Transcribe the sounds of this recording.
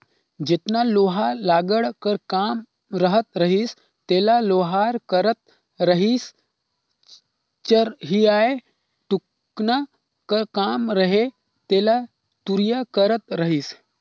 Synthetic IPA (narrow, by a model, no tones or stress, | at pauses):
d͡ʒet̪naloɦalaːɡəɽkəɾkam | ɾəɦət̪ɾəɦiːs | t̪elaloɦaɾkəɾət̪̚ | ɾəɦiːs | t͡ʃəɾɦiae | ʈuk | na | kəɾkaːmɾəɦe | t̪ela | t̪uɾjakəɾət̪ɾəɦiːs